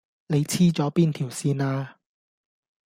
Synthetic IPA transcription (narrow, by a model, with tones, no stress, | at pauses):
ne˨˧jt͡sʰiː˥t͡sɔː˨˥piː˥nt̪ʰiː˨˩wsiː˧naː˧